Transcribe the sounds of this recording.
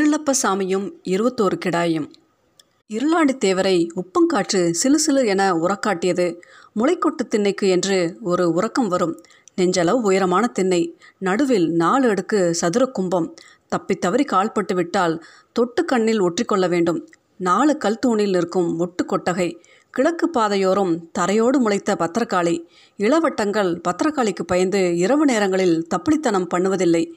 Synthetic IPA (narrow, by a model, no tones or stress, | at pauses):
ɪɾɯlɐpːɐsaːmɪjɯmɪɾɯbɐt̪ːoːɾɯkɪɽaːjɐm | ɪɾɯlaːɳɖit̪eːʋɐɾɐɪʊpːɐmkaːʈrɯsɪlɯsɪlɯɛnɐʊrɐkːaːʈːɪjɐðɯ | mʊlɐɪkːɔʈːɯt̪ːɪnːɐɪkːɯɛndrɯɔɾɯʊrɐkːɐmʋɐɾɯm | nɛɲd͡ʒɐlɐʋɯʊjɐɾɐmaːnɐt̪ɪnːɐɪnɐɽɯʋɪlnaːɭɛɽɯkːɯsɐðɯɾɐkʊmbɐm | t̪ɐpːɪt̪ːɐʋɐɾikaːɭpɐʈːɯʋɪʈːaːl | t̪ɔʈːɯkːɐɳːɪlɔʈrɪkːɔɭːɐʋeːɳɖɯm | naːɭɯkːɐlt̪uːɳɪlnɪrkɯmɔʈːɯkːɔʈːɐɣɐɪ | kɪɭɐkːɯpːaːðɐjoːɾɯmt̪ɐɾɐjoːɽɯmʊɭɐɪt̪ːɐpɐt̪ːɾɐkːaːɭi | ɪɭɐʋɐʈːɐŋɡɐɭpɐt̪ːɾɐkːaːɭɪkːɯpɐjɐɾnd̪ɯɪɾɐʋɯneːɾɐŋɡɐɭɪlt̪ɐpːɪɭɪt̪ːɐnɐmpɐɳːɯʋɐðɪlːɐɪ